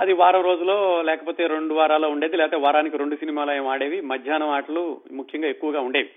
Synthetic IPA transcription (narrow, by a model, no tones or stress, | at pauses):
ɐd̪iʋaːɾɐmɾo̞ːd͡ʒulo̞ːlɛːkɐpoːt̪e̞ːɾe̞ɳɖuʋaːɾaːloːuɳɖe̞ːd̪ilɛːt̪eːʋaːɾaːnikiɾe̞ɳɖusinimaːloːjeːmaːɽeːʋimɐd̪ʱjaːnɐmaːʈɐlumukʰjɐŋɡaːe̞kːuʋɐɡaːuɳɖeːʋi